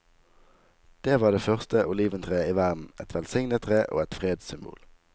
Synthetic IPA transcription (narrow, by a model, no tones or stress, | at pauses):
d̪̥eːʋɑːd̪eːfœʁst̪əʔʊliːʋənt̪ʰʁeːiːʋæʁd̪n̩ʔɛ̰t̪ʰʋɛlsɪŋnət̪ʰʁeːʔo̰ːɛt̪fʁeːd̪sʏmbṵːl